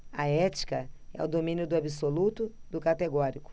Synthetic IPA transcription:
ɐɛt͡ʃi̥kɐɛ̰ʊd̪omĩnjʊd̪ʊabisolut̪ʊd̪ʊkat̪eɡɔɾikʊ̥

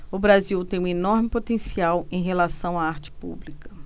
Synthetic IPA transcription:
ʊbɾaziwt̪ẽj̃ũenɔɾmɪpot̪ẽsiawẽj̃ɦelasɐ̃w̃aaɾt͡ʃɪ̥pṵblikɐ

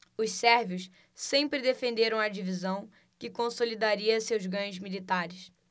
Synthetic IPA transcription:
ʊssɛɾviʊs | sẽmpɾɪd̪efẽnd̪eɾɐ̃w̃ɐd͡ʒivizɐ̃w̃ | kɪkõsolid̪aɾiɐsewzɡɐ̃ɲʊzmilit̪aɾɪs

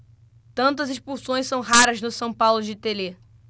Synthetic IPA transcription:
t̪ɐ̃nt̪ɐzeʃpusõj̃sɐ̃w̃ɦaɾɐznʊsɐ̃w̃pawlʊd͡ʒɪt̪ele

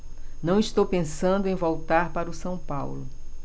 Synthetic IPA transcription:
nɐ̃w̃ist̪owpẽsɐ̃nd̪ʊẽj̃vowt̪aɾpaɾʊsɐ̃w̃pawlʊ

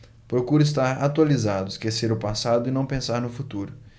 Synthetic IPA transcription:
pɾokuɾʊis̬t̪aɾat̪ualizad̪ʊɪskeseɾʊpasad̪ʊɪnɐ̃w̃pẽsaɾnʊfut̪uɾʊ

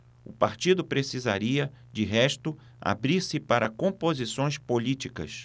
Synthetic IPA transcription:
ʊpaɾt͡ʃid̪ʊpɾesiza̰ɾiɐ | d͡ʒɪɦɛʃt̪ʊ | a̰bɾiɾsɪpaɾɐkõpozisõj̃spolit͡ʃikɐ̰s

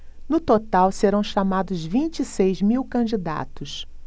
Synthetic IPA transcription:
nʊt̪ot̪awseɾɐ̃w̃ʃamad̪ʊzvĩnt͡ʃisejzmiwkɐ̃d͡ʒid̪a̰t̪ʊs

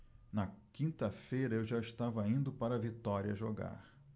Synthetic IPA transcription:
nɐkĩnt̪ɐfejɾɐewʒaɪʃt̪avɐĩnd̪ʊpaɾɐvit̪ɔɾiɐʒoɡa̰ɾ

